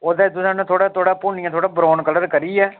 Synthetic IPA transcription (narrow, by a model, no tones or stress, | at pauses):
oːd̪aːt̪ʊsãːnɛ̃t̪ʰoːɽaːt̪ʰoːɽaːpʊnɪãːt̪ʰoːɽaːbɾoːnkələɾkəɾiːɛː